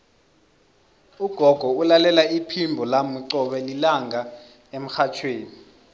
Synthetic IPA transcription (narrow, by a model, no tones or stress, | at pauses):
uɡ̥ʱɔɡ̥ʱɔulalɛlaipʰimbʱɔlamuǀɔɓɛlilaŋa | em̩xat͡ʃʰweːni